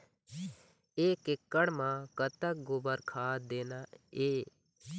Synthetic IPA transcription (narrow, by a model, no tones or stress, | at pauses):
eːkɪkːəɽmãːkət̪ək̚ɡʊbəɾkʰaːd̪eːnaːeː